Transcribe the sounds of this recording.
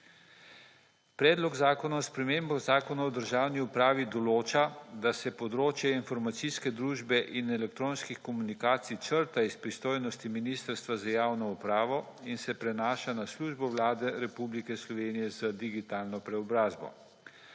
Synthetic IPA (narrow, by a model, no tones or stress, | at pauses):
pɾɛːd̪lɔɡzaːkɔnaɔspɾɛmeːmbɔzaːkɔnaɔd̪əɾʒaːwniupɾaːʋid̪ɔloːt͡ʃad̪asɛpɔd̪ɾoːt͡ʃjɛinfɔɾmat̪siskɛd̪ɾuːʒbɛʔinɛlɛk̚t̪ɾoːnskixkɔmunikaːt̪sit͡ʃəɾt̪aispɾist̪oːjnɔst̪iminist̪əɾst̪ʋazajaːwnɔupɾaːʋɔ | insɛpɾɛnaːʃanasluʒbɔwlaːd̪ɛɾɛpublikɛslɔʋeːnijɛzad̪iɡit̪aːlnɔpɾɛɔbɾaːzbɔ̰